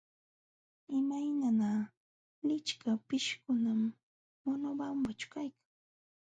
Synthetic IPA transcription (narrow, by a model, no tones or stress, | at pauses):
ɪmajnana | lɪt͡ʃkapɪʃkʊnamː | ʊnʊbambat͡ʃʊ̥kajkḁŋ